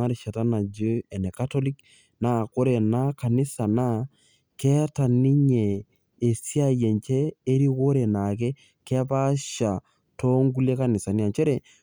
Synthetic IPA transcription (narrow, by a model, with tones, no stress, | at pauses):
a˦ɾe˨ʃa˨ta˦na˨d͡ʒe˦ɛ˨nɛ˨ka˦tɔ˦li˦k | na˦˨ko˦ɾɛ˨na˦ka˨nɪ˦sa˨na˦ | kɛ˦ta˨ni˦ɲɛ˨ | e˨si˦a˦˨jɛ˨nt͡ʃɛː˦ɾi˦ko˦ɾe˨na˨k̬ɛ˦ | kɛ˦pa˦ʃa˨ | to˦ŋɡu˦le˦ka˦nɪ˨sa˨ni˦a˨t͡ʃɛ˦ɾɛ˨